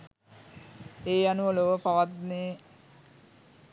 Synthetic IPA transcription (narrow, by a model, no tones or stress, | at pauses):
eːanuʋoloʋəpaʋat̪neː